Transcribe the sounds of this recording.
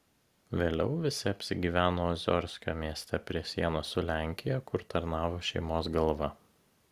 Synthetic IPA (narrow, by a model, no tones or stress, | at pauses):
ʋʲeːlʲɛʊʋʲɪsʲɪɐpʲsʲɪɡʲiːʋʲæːnoːɐzʲɔ̰ɾʲsʲkʲoːmʲiɛsʲt̪ʲɛpʲɾʲiɛsʲiɛnosʊlʲæˑŋʲkʲɪjɛkʊɾt̪ɐɾnɑːʋoːʃʲɛɪmoːs̬ɡɐlˠʋɐ